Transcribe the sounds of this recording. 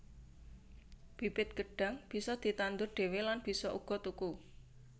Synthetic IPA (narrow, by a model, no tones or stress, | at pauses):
b̥i̤pɪt̪̚ɡ̥əɖ̥a̤ŋb̥i̤sɔd̪̥i̤t̪and̪ʊrɖ̥e̤welanb̥i̤sɔʔuɡ̥ɔ̤t̪uku